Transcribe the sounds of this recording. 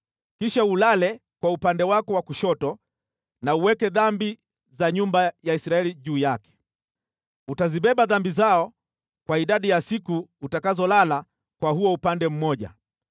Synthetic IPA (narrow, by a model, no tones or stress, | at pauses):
kiʃaulalɛ | kwaupandɛwakɔwakuʃɔtɔ | nauwɛkɛðambi | zaɲumbajaisɾaɛliʄuːjakɛ̥ | utaziɓɛɓaðambizaɔ | kwaiɗaɗijasikuːtakazɔlala | kwahuɔupandɛm̩mɔʄa̰